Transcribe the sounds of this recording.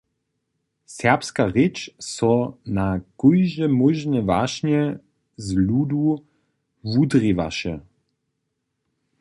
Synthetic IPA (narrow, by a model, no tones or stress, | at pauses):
sɛpskaʁɛt͡ʃsɔnakɔjʒɛmɔʒnɛvaʃɲɛ | zluːd̪u | vud̪riva̰ʃɛ